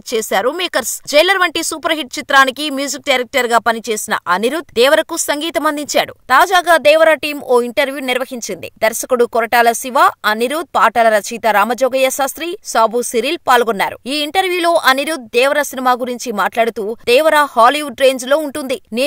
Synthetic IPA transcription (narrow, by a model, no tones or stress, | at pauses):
t͡ʃeːsaːɾumeːkɐɾsd͡ʒɐjlɐɾʋɐɳʈisuːpɐɾɦiʈ̚t͡ʃit̪ɾaːnikimjuːd͡ʒik̚ɖaːɾek̚ʈɐɾɡaːpɐnit͡ʃe̞ːsinɐ̰ʔɐniɾud̪̚d̪ɛːʋɐɾɐkusɐŋɡiːt̪ɐmɐnd̪iɲt͡ʃaːɽut̪aːd͡ʒaːɡaːd̪ɛːʋɐɾaʈiːmoːiɳʈɐɾʋjuniɾʋɐɦiɲt͡ʃind̪ḭd̪ɐɾsɐkuɽukɔɾɐʈaːlɐsiʋaːɐniɾud̪̚paːʈɐlɐɾɐt͡ʃʰiːt̪ɐɾaːmɐd͡ʒɔːɡɐjɐsɐsɾiːsaːbusiɾiːlpaːlɡɔnːaːɾṵiːiɳʈɐɾʋjuːlo̞ːʔɐniɾud̪̚d̪ɛːʋɐɾɐsinimaːɡuɾiɲt͡ʃimaːʈlaːɽut̪uːd̪ɛːʋɐɾahaːliuɖɾe̞ːnd͡ʒlo̞ːuɳʈund̪in